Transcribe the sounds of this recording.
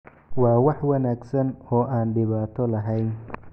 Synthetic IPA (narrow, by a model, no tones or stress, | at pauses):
wɑːwɑħwɐnaːɡsɐnɔːʔaːnɖɪβaːt̪ʰɔlɐɦɛjn